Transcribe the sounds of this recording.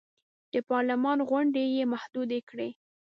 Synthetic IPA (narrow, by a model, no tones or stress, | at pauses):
d̪̥əpɑɾlamɑnɣaɳɖejemahd̪ud̪ekɽe